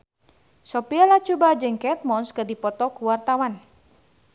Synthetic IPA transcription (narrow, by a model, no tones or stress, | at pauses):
sɔpialat͡ʃubad͡ʒɨŋkɛt̪̚mɔnskɨrdipɔt̪ɔkuwart̪awan